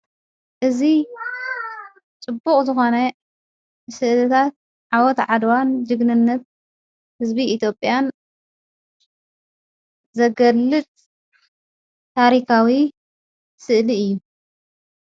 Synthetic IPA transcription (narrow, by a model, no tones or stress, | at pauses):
ʔɨzi | t͡sʼɨbːukʼzɨxo̞nɐ | sɨʔlɨt̪ʰat̪̚ | ʕawɔt̪ʕad̪wand͡ʒɨɡnɨnːɐt̪̚ | hɨzbiʔːt̪ʰjo̞pʼjan | zɐɡɐlːɨt̪ʼ | t̪ʰaɾikʰawi | sɨʔliɨjːu